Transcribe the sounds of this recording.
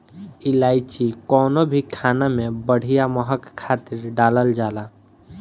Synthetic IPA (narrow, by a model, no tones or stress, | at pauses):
ilajt͡ʃikɔnobʱikʰanamebəɽ̤ʱijaməɦəkkʰːat̪iɾɖaləld͡ʒala